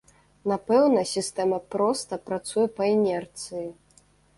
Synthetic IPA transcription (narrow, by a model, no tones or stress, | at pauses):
napɛwnɐsʲist̪ɛmɐpɾɔst̪ɐpɾat̪sujɛpɐɛnʲɛrt̪sɨji